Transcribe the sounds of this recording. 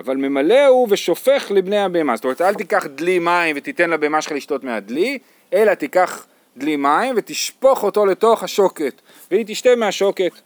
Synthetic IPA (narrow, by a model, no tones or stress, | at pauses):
avalme̞male̞uveʃo̞fe̞χlibne̞jabeemazsot̪omeetalt̪ikaχd̪limaimvet̪it̪enlabeemaʃχaliʃt̪o̞tmead̪li | e̞lat̪ikaχ | d̪limaimvet̪iʃpo̞χo̞to̞le̞t̪o̞χhaʃo̞ke̞t̪ | veit̪̬iʃtemeaʃo̞ke̞t̪